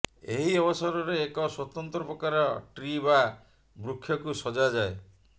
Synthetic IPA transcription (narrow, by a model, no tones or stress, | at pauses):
ḛɦiɔbɔsɔɾɔɾeːkɔswɔt̪ɔnt̪ɾɔpɾɔkaɾɔʈɾiba | bɾukʰːjɔkusɔd͡ʒad͡ʒae